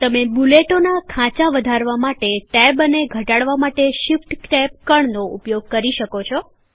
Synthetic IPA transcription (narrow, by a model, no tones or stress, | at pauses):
t̪əmebuleʈonakʰãt͡ʃaʋəd̪ʱaɾʋamaʈeʈɛbəneɡʱəʈaɽʋamaʈeʃɪfʈkʈɛp̚kəɳnoupjoɡ̚kəɾiʃəkot͡ʃʰɔ